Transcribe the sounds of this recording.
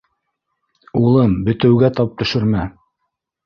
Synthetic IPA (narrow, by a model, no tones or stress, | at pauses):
ulˠɤmbɵ̆t̪ɘ̆wɡæt̪ɑp̚t̪ɵ̆ʃɵ̆ɾmæ